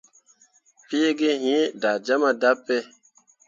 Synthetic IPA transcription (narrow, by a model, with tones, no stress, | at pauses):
pi˦e˦ɡe˦hĩ˦da˨d͡ʒa˦ma˦da˦pːe˦